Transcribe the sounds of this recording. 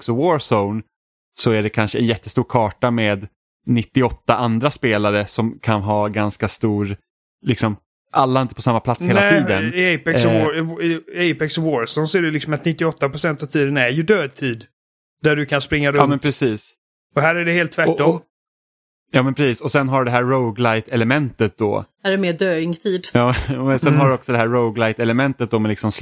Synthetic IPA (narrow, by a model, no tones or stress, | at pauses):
ksɔwoːɾsɔʊn | sɔæɖɛkʰanʂəɛ̰njɛt̪ːəst̪uːɾkʰɑːʈameːd̪ | nɪt̪ːɪɔt̪ːaʔand̪ɾaspeːlaɾəsɔmkʰanɦɑːɡanskast̪uːɾ | lɪksɔm | ʔalːaɪnt̪əpʰɔsamːapʰlat̪sseːllaɛiːd̪ənɪɛɪpɛsɔoɪɛɪpɛksɔwoːɾsɔnsɔæɖɛlɪksɔmat̪nɪt̪ːɪɔt̪ːapɾʊsɛnt̪avt̪ʰiːd̪ənæɾjɵd̪øːd̪̚t̪ʰiːd̪ | d̪æɖɵkʰanspɾɪŋːaɾɑːmɛnpʰɾɛsiːs | ɔɦæːɾæɖɛheːlt̪ʰːvæɔm | jɑːmɛnpʰɾɛsiːsɔsɛnɦaɖɖɛɦæːɾːoʊɡlajt̪ɛlɛmɛnt̪ət̪̚d̪ɔ̰ːæɾɛmeːd̪øːɪŋt̪ʰiːd̪jɑːsɛnɦaɖɵɔksɔd̪ɛɦæːoʊɡlajt̪ɛləmɛnt̪ət̪̚d̪ɔːmɛlɪksɔms